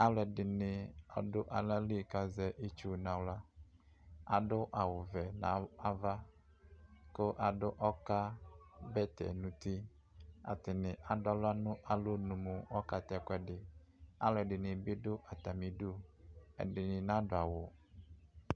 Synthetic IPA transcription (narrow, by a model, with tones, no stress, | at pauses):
a˦wlɛ˨dɪ˨nɪ̃˨ɔ̰˨ɖʊ˦ʔa˨la˦li˦˨ka˨zɛ˨ʔi˦t͡ʃu˦˨nã˨wla˦ | a̰˨ɖʊ˦ʔa˨wʊ˨vɛ˨nã˨˦a˦va˦ | ko˦ʔa˨ɖʊ˦ʔɔ˦ka˦bɛ˦t̪ɛ̰˨nũ˨t̪i˦ | a̰˨t̪ɪ˨nɪ̃˨ʔa˨dʊ˦a˨lʊ˦a˦nʊ̃˦ʔa˨lo˦nũ˨mu˨ɔ˦ka˨t̪ɛ˦kɛ˨ɖɪ˨ | a̰˦wlɛ˨ɖɪ˨nɪ̃˨bɪ˦dʊ˦ʔa˨t̪a˨mĩ˨du˦ɛ̰˨dɪ˨nɪ̃˨nã˨˦do˨a˨wo˨